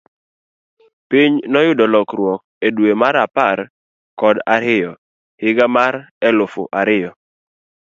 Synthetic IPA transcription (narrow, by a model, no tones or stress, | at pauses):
piɲnɔjʊdɔlɔkɾwɔk̚ | edwemaɾapaɾ | kɔdaɾɪjɔ | hɪɡamaɾɛlʊfʊ̰ʔaɾɪjɔ